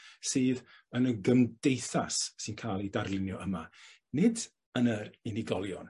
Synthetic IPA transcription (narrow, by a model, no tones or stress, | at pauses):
sɨːð | ənəɡəmdejθassɨnkʰaːlˠidarlˠɪnjɔəma̰ | nɪd | ənəɾɪnɪɡɔlˠjɔ̰n